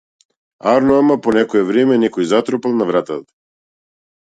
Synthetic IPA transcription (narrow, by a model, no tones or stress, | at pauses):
aɾnɔamapɔnɛkɔɛvɾɛmɛnɛkɔjzat̪ɾɔpalˠnavɾat̪at̪ḁ